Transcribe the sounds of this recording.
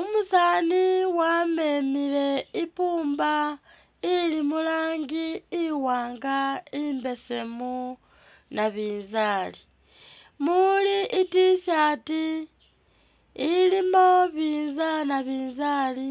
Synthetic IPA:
umusaːniwame̞mile̞ipuːmba | ilimulaːŋɡiːwaːŋɡaimbe̞se̞mu | naβiːnzaːli | muliʔitisjati | limo̞βiːnzanaβiːnzali

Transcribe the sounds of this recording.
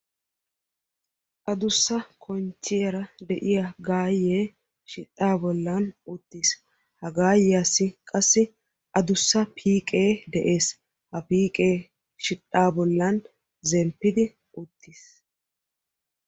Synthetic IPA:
ʔɐd̪ʊsːɐkʰɔnt͡ʃːɪjɛɾɐd̪ɛʔɪjaɡaːjːeː | ʃɪtʼːaːbɔlːɐnʊt̪ːiːs | hɐɡaːjjasːɪkʼɐsːɪ | ʔɐd̪ʊsːɐpʰiːkʼe̞ːd̪ɛʔe̞ːs | hɐpiːkʼe̞ː | ʃɪtʼːaːbɔlːɐn | zɛmpːɪd̪ɪ | ʊt̪ʰːiːs

